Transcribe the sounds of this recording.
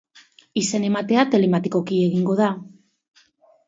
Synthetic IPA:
ise̞ne̞mat̪e̞at̪e̞le̞mat̪iko̞kie̞ɣiŋɡo̞ða

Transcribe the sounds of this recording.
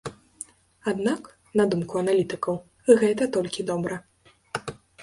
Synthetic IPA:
ad̪nak | nɐd̪umkuɐnalʲit̪ɨkɐw | ɣɛt̪ɐt̪ɔlʲkʲid̪ɔbɾɐ

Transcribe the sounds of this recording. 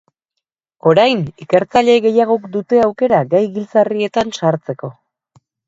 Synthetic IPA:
o̞ɾajnike̞ɾt͡saʎe̞ɣe̞jaɣ̞o̞kd̪ut̪e̞awke̞ɾaɡajɣilt͡sarie̞t̪ansaɾt͡se̞ko̞

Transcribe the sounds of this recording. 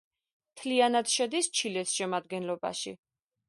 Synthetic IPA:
t̪ʰlianad̪ʃɛd̪ist͡ʃʰilɛsʃɛmad̪ɡɛnlɔba̰ʃḭ

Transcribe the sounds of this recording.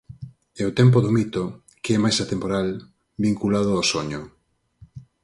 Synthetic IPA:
ɛot̪ɛmp̬oðomit̪o | kɛmajsat̪empoɾal | biŋkulað̞ʊasoɲo

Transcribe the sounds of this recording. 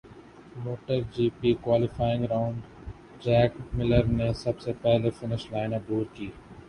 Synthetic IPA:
moːʈəɾd͡ʒiːpiːkwaːlɪfaːɪ̃ŋɡɾaʊ̃ɳɖ | d͡ʒɛːkmɪləɾnesɐbsepɛɦlefɪnɪʃlaːɪnad̪uːɾkiː

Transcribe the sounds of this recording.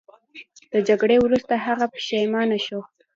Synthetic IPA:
d̪̥əd͡ʒaɡɽewɾust̪aɦaɣapə̥ʃajmɑnaʃo

